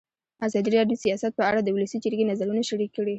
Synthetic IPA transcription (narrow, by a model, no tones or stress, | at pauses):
azɑd̪iɾɑɖjoəsijɑsat̪̚pəaɽad̪əwʊlasid͡ʒəɾɡenazaɾunaʃaɽikːəɽi